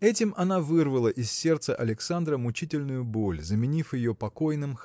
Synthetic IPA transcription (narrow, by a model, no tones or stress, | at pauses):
ɛtʲɪmʔɐnavɨrvəlˠəʔɪsːʲe̞rt̪səʔɐlʲɪksand̪ɾəmʊt͡ɕitʲɪlʲnʊjʊbo̞lʲzəmʲɪnʲifjɪjopɐko̞jnɨm